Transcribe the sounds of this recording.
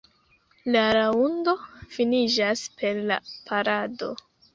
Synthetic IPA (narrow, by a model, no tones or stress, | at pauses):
laɾaundo̞finid͡ʒaspʰe̞ɾla̰pʰaɾado̞̰